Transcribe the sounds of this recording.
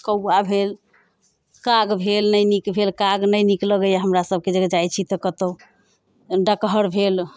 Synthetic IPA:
kəwːabʱel | kaɡbʱelnəjnikbʱelkaɡnəjnikləɡəjaɦəmɾasəb̚ʱked͡ʒəɡd͡ʒajt͡ʃʰit̪əkət̪o | ɖəkɦəɾbʱel

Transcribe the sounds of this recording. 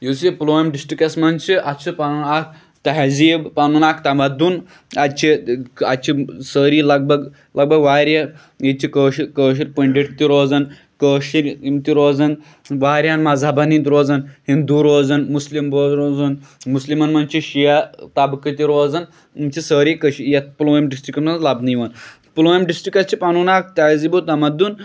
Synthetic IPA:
jusiploːmɖisʈikɐsmɐnt͡ʃʰiʔɐt͡ʃʰipɐnunak̚ʰ | t̪ɐɦziːbpanunakt̪ɐmɐd̪un | ɐt͡ʃʰiɐt͡ʃʰisəːɾiːlɐɡ̚bɐɡ | lɐɡ̚bɐɡʋaːɾɐ | it͡ʃʰikəːʃikəːʃ̬iɾʲpɐɳɖiʈt̪iɾoːzɐn | kəːʃiɾimt̪iɾoːzɐn | ʋaːɾjanmɐzabɐnint̪ɾoːzɐnhind̪uɾoːzɐnmuslimboɾoːzunmuslimɐnmɐnt͡ʃʰiʃijat̪abɨkɐt̪iɾoːzɐn | mt͡ʃisəːɾikɐʃijɐt̪̚puloːimɖisʈɾikɐmnlɐbnijʋɐn | puloːimɖisʈɾikɐst͡ʃʰipɐnunak̚t̪aːzibut̪ɐmɐd̪un

